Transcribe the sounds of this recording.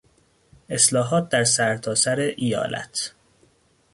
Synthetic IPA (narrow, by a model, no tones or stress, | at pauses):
e̞slɒːɦɒːt̪̚d̪æɾsæɾt̪ʰɒːsæɾeʔijɒ̰ːlʔæ̰t̪ʰ